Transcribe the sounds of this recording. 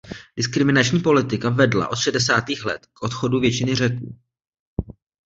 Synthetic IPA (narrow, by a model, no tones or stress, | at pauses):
dɪskɾɪmɪnat͡ʃɲiːpo̞lɪt̪ɪkavɛdla̰ʔo̞t̪ʃɛdɛsaːt̪iːxlɛ̰t̪kʔo̞t̪xo̞duvjɛt͡ʃɪnɪr̝ɛkuː